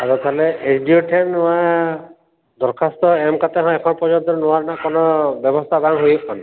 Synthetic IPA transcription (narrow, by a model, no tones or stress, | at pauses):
aɾɔt̪ʰaleet͡ʃʰɖioʈʰenã | d̪ɔɾkʰast̪ɔemkat̪eɦɔ̃ekʰɔnɔpɔd͡ʒɔnt̪ɔɾnuaɾnakɔnɔbjɔbɔst̪ʰabaŋɦojkɔn